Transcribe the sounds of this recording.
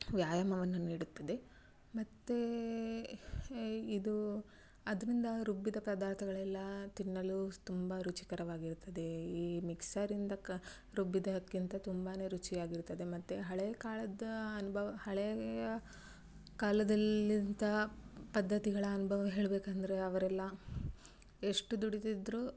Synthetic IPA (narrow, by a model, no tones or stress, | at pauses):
ʋjaːjɐmɐʋɐnːuniːɽut̪ːɐd̪e̞ | mɐt̪ːe | id̪u | ɐd̪ɐɾind̪ɐɾubːid̪ɐpɐd̪aːɾt̪ʰɐɡɐɭɛlːɐt̪inːɐlut̪umbɐɾut͡ʃi̥kɐɾɐʋaːɡiɾut̪ːɐd̪e̞iːmiksaːɾind̪ɐ | ɾubːid̪ɐkːint̪ɐt̪umbaːne̞ːɾut͡ʃijaːɡiɾt̪ːɐd̪e̞mɐt̪ːeɦɐɭekaːlɐd̪ɐɐnubʱɐʋɐhɐɭejɐ | kaːlɐd̪ɐlːint̪ɐpɐd̪ːɐt̪iɡɐɭɐːnubʱɐʋɐɦe̞ːɭbeːkɐnd̪ɐɾeɐʋɐɾɛlːɐ | eʂʈud̪uɽit̪id̪ɾu